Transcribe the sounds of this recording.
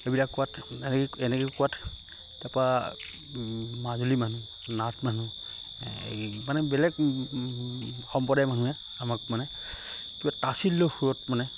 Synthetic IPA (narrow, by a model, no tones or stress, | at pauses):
ebilakːuwatɛnkɛnɛkɛkuwat | dapa | mazulimanu | natmanṵ | manɛbɛlɛɡ | xɔmpɔdajmanũɛ | amak̚manɛ | kibatasilːohujɔtmanɛ